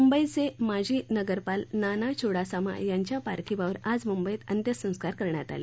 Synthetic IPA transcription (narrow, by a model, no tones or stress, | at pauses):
mumbəit͡semad͡ʑʱiːnəɡəɾpalnanat͡ɕʰoɽasama̰jaɲt͡ɕjapa̰ɾk̪ʰibaʋəɾad͡zmumbəit̪ənt̪jəsə̃w̃skaɾkəɾɳjat̪a̰lḛ